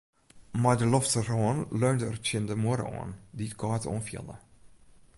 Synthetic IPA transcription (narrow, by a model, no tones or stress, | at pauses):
madəlɔftərɔːnløːndəərtjəndəmuəɾə̰ɔ̰ːnditkʰɔːtɔ̰ːnfjə̰lˠə̰